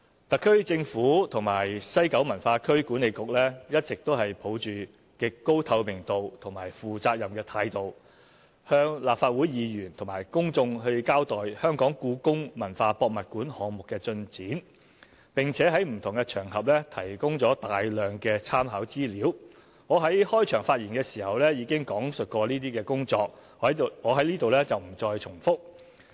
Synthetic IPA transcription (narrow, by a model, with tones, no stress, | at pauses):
t̪ɐ˨kʰːɵ˥ɥt͡sɪ˧ŋfuː˨˥t̪ʰʊ˨˩ŋmaː˨˩jsɐ˥jkɐ˨˥wmɐ˨˩nfaː˧kʰɵ˥ɥkuː˨˥ne˨˧jkʊ˨k̚lɛː˥jɐ˥t̚t͡sɪ˨k̚t̪o˥whɐ˨jpʰo˨˥wt͡ʃyː˨ | kɪ˨kkːo˥wt̪ʰɐ˧wmɪ˨˩ŋt̪o˨wt̪ʰʊ˨˩ŋmaː˨˩jfuː˨t͡saː˧k̚jɐ˨mkɛː˧t̪ʰaː˧jt̪o˨w | hœː˧ŋlaː˨p̚faː˧t̚wuː˨˥jiː˨˧jyː˨˩nt̪ʰʊ˨˩ŋmaː˨˩jkʊ˥ŋt͡sʊ˧ŋɦɵ˧ɥkaː˥wt̪ɔː˨jhœː˥ŋkɔː˨˥ŋkuː˨˧kʊ˥ŋmɐ˨˩nfaː˧pɔː˧k̚mɐ˨t̚kuː˨˥nhɔː˨˧ŋmʊ˨kːɛː˧t͡sɵ˧nt͡siː˨˥n | pɪ˨ŋt͡sʰɛː˨˥ɦɐ˨˥jm̩˨˩t̪ʰʊ˨˩ŋkɛ˧t͡ʃʰœː˨˩ŋɦɐ˨p̚lɛ˥t̪ʰɐ˨˩jkʊ˥ŋt͡sɔː˨˥t̪aː˨jlœː˨ŋkɛː˧t͡sʰaː˥mɦɐ˨˥wt͡siː˥liː˨˥w | ŋɔː˨˧ɦɐ˨˥jhɔː˥jt͡ʃʰœː˨˩ŋfaː˧t̚jiː˨˩nkɛː˧siː˨˩hɐ˨wlɛː˥jiː˨˧kɪ˥ŋkɔː˨˥ŋsɵ˨t̚kɔː˧liː˥t̪iː˥kɛː˧kʊ˥ŋt͡sɔː˧k̚ | ŋɔː˨˧ɦɐ˨˥jliː˥t̪o˨wlɛː˥t͡sɐ˨wm̩˨˩t͡sɔː˧jt͡sʰʊ˨˩ŋfʊ˥k̚